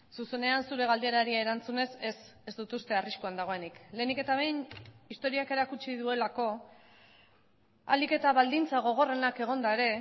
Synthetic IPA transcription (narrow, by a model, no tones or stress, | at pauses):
suse̞ne̞ansuɾe̞ɣ̞ald̪ieɾaɾiaeɾant͡sune̞se̞s | ezd̪ut̪ust̪e̞ariʃkuand̪aɣ̞o̞e̞nikle̞ːnike̞t̪aβ̞e̞jnist̪o̞ɾiake̞ɾakut͡ʃiðue̞lako̞ | a̰like̞t̪aβald̪int͡saɣ̞o̞ɣ̞o̞re̞nake̞ɣ̞o̞nd̪ae̞ɾe̞